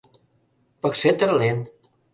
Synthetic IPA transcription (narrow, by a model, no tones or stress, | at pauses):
pɔkset̪əɾlen